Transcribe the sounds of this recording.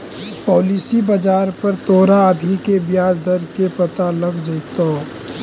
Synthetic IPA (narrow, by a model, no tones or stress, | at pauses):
pɔːlisibɐd͡ʒaːɾpɐɾt̪oːɾaəbʱikebjaːd͡ʒd̪əɾkepɐt̪aləɡd͡ʒəɪt̪oː